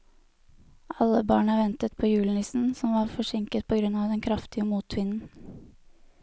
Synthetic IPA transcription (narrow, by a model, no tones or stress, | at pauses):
ʔɑlːəbɑːɳəʋɛnt̪ət̪̚pʰoːjʉːln̩ɪsn̩sɔmʋɑɾfɔʂɪŋkət̪̚pʰɔɡɾʉnːɑʋd̪ɛnkʰɾɑft̪ɪəmuːt̪ʰʋɪnn̩